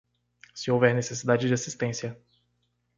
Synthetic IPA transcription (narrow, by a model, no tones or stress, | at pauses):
sɪowvɛɾnesesid̪ad͡ʒɪd͡ʒɪasist̪ẽsiɐ